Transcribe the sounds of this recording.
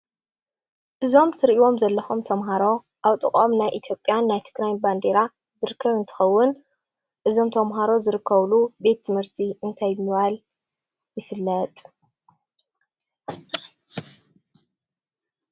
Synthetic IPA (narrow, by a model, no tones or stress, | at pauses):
ʔɨzo̞mt̪ʰɨɾʔiwo̞mzɐlːɐxomt̪ʰɐmɦaɾo̞ | ʔaβt̪ʼɨkʼomnajʔit̪ʰjo̞pʼjanːajt̪ʰɨ̥ɡɾajnband̪e̞ɾa | zɨɾɨkʰːɐβɨnt̪ʰɨ̥xɐwːʊn | ʔɨzo̞mt̪ʰɐmɦaɾo̞zɨɾɨkʰːɐβlube̞t̪ʰːɨmhɨɾt̪ʰiɨnt̪ʰajmɨβal | jɪfɨlːɐt̪ʼ